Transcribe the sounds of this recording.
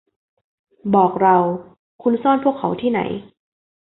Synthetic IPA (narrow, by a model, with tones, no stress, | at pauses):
bɔː˨˩k̚ɾa˧w | kʰu˧nsɔː˥˩npʰu˥˩əkʰːa˩˦wt̪ʰiː˥˩na̰˩˦j